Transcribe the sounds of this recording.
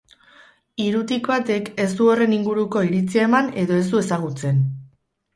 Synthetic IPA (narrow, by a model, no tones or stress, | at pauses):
iɾut̪ikbat̪e̞ke̞zd̪uo̞re̞niŋɡuɾuko̞iɾit͡siaemane̞ðo̞e̞zd̪ue̞saɣ̞ut͡se̞n